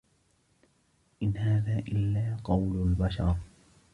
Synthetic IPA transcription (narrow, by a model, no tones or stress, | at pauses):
ʔɪnhaːðaːʔɪlːaːqɑwlʊlbaʃɑ̰ɾˤ